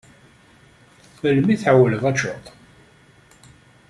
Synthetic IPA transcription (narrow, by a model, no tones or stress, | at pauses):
fəlmiθʕawələvæt͡ʃːo̰t̪ˤ